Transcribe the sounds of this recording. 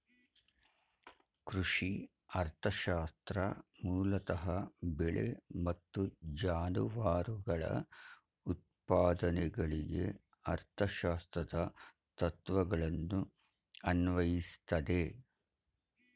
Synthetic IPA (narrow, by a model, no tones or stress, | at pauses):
kɾuʂi | ɐɾt̪ʰɐʃaːst̪ɾɐmuːlɐt̪ɐɦɐbɛɭḛmɐt̪ːud͡ʒaːnuʋaːɾuɡɐɭɐ̰ | ut̪̚paːd̪ɐnɛɡɐɭiɡḛ | ɐɾt̪ʰɐʃaːst̪ɾɐd̪ɐ | t̪ɐt̪ʋɐɡɐɭɐnːu | ɐnʋɐjist̪ɐd̪e